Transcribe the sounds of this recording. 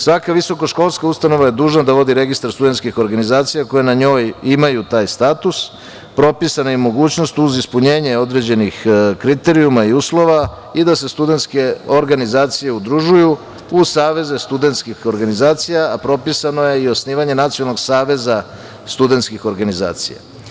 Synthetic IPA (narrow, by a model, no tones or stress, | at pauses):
sʋakaʋiso̞ko̞ʃko̞lˠskaust̪ano̞ʋaje̞d̪uːʒnad̪aʋod̪iɾe̞ɡist̪aɾst̪ud̪ent̪skixo̞ɾɡanizaːt̪sijako̞jenaɲo̞ːjimajut̪aːjst̪at̪us | pɾo̞pisanojemo̞ɡuːt͡ɕno̞st̪uzispuɲeːɲeo̞d̪ɾe̞d͡ʑe̞nixkɾit̪e̞ɾiumaiuslˠo̞ʋa | id̪ase̞st̪ud̪e̞nt̪ske̞o̞ɾɡanizaːt̪sije̞ud̪ɾuʒuju | usaːʋe̞zest̪ud̪ent̪skixo̞ɾɡanizaːt̪sijaːpɾo̞pisano̞je̞io̞sniːʋaɲe̞nat̪sionalˠno̞ɡsaːʋe̞za | st̪ud̪e̞nt̪skixo̞ɾɡaniza̰ːt̪sḭja̰